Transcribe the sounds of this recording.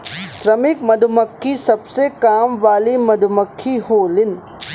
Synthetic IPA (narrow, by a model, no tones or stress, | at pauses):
ʃɾɐmɪkmɐd̪ʱʊməkʰːisɐbsekaːmʋaːlimɐd̪ʱʊməkʰːihoːlɪn